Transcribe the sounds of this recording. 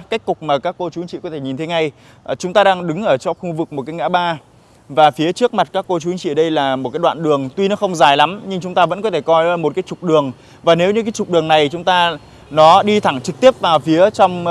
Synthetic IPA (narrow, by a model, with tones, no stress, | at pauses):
ka˦˥k̟̚kʊ˨˩k͡p̚maː˨˩kaː˦˥kːo˧t͡ɕu˨˦i˦ŋt͡ɕḭ˧˨kɔ˨˦t̪ʰe˧˩ɲi˨˩nt̪e˨˦ŋa˧j | t͡ɕʊ˨˦ŋ͡mt̪aː˧ɗaː˧ŋɗɨ˨˦ŋʔəː˧˩t͡ɕɔ˧xu˧vɨ˨˩k̚mo˨˩t̚kːaː˨˦jŋa̰ː˧˥ɓaː˧ | vaː˨˩fi˨˦ət͡ɕɨ˦˥ək̚ma˨˩t̚kaː˦˥kːo˧t͡ɕu˨˦i˦ŋt͡ɕḭ˧˨ɗə˧jlaː˨˩mo˨˩kaː˨˦jwa̰ː˧˨nɗɨ˨˩əŋt̪wi˧nɔ˨˦xə˧wŋ͡mzaː˨˩jla˨˦mɲɨ˧ŋt͡ɕʊ˨˦ŋ͡mt̪aː˧və̰˧˥nkɔ˨˦t̪ʰe˧˩kɔ˧jmo˨˩t̚kaː˨˦jt͡ɕʊ˨˩k͡p̚ɗɨ˨˩əŋ | vaː˨˩ne˨˦wɲɨ˧kaː˨˦jt͡ɕʊ˨˩k͡p̚ɗɨ˨˩əŋna˨˩jt͡ɕʊ˨˦ŋ͡mt̪aː˧ | nɔ˨˦ɗi˧t̪ʰa˧˩ŋt͡ɕɨ˨˩k̚t̪i˦˥əp̚vaː˨˩wfi˨˦ət͡ɕɔ˧wŋ͡m